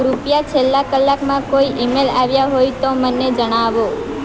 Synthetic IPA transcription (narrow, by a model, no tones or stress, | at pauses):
ɾupjat͡ʃʰelːakəlːakmãkoiʔimelaʋjaɦojt̪omənːed͡ʒəɽ̃aʋo